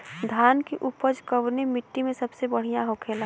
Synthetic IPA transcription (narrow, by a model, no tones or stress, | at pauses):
d̪ʱaːnkiʔʊpəd͡ʒkəʋnemɪʈːimẽsɐbsebəɽ̤ijãɦoːkʰeːla